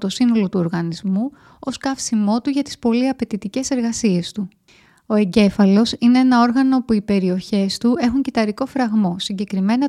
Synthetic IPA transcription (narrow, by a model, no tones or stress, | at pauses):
t̪o̞sino̞lo̞t̪uo̞ɾɣɐnizmu | o̞skɐfsimo̞t̪uʝɐt̪i̥spo̞liɐpe̞t̪it̪ice̞se̞ɾɣɐsie̞st̪u | o̞e̞ɲɟe̞fɐlo̞sine̞enɐo̞ɾɣɐnopuipe̞ɾio̞çe̞st̪ue̞xuɲcit̪ɐɾiko̞fɾɐɣmo̞siɲɟe̞kɾime̞nɐ